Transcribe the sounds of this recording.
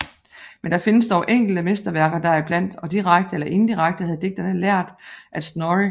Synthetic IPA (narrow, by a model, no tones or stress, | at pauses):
mend̥ɑ̈fe̝nəsd̥ɒʊʔeŋ̰ɡ̥l̩d̥əmesd̥ɐʋæɐɡ̥ɐd̥ɑ̈ɐib̥læn̰d̥ɒ̽d̥iʁaɡ̥d̥əelɐʔe̝n̩d̥iʁaɡ̥̚d̥əhæð̞̩ˠde̝ɡ̚d̥ɐnəlæɐ̰d̥ʔæd̥snɒʁi